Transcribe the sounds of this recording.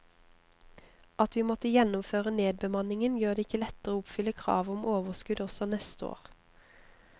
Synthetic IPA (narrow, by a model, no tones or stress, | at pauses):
ɑt̪ʋiːmɔt̪əjɛnʊmføːʁəneːd̪̚bəmɑnɪŋənjøːʁd̪eːɪkəlɛt̪əʁoːʊpfʏləkʰʁɑ̰ːʋʊmʔoːʋəskʉd̪ɔsɔnɛst̪əo̰ːʁ